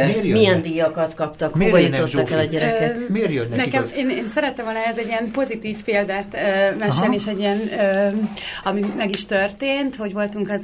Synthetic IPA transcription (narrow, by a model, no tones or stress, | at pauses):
mijɛnd̪iːjɒkɒt̪kɒpt̪ɒkhobɒjuott̪ːɒkɛlɒɟɛɾɛkɛmerjønɛkɛmeːneːnsɛɾɛt̪ːɛmvo̞lnɒɛzɛɟːiɛmpo̞zit̪iːfpeːld̪ɛt̪ømɛʃelnieːʃɛɟːiɛnø | ɒmimɛɡiʃt̪ørt̪eːnt̪ho̞ɟʋo̞lt̪uŋkɛz